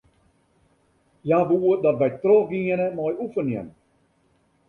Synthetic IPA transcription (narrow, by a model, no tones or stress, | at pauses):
jaʋuədɑtʋɛjtrɔxɡiənəmɔjufərniən